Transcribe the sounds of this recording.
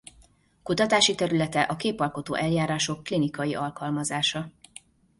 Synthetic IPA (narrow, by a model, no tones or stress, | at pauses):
kut̪ɒt̪aːʃit̪ɛɾylɛt̪ɛʔɒkeːpɒlko̞t̪o̰ːʔɛljaːɾaːʃo̞kːlinikɒjiʔɒlkɒlmɒzaːʃɒ